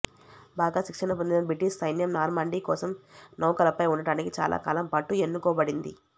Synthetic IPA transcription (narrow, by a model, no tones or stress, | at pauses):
baːɡaːʃikʂɐnɐp̬ond̪inɐbiʈiʃsɐjnjɐmnaːɾmɐɳɖiːkɔːsɐmnɐwkɐlɐpɐjuɳɖɐɽaːnikit͡ʃa̰ːlʔa̰ːkaːlɐmpɐʈːue̞nːukɔːbɐɽind̪ḭ